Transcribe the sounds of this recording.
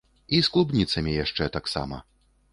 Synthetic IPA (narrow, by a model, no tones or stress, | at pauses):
isklˠubnʲit̪sɐmʲijaʂt͡ʂɛt̪aksa̰mɐ̰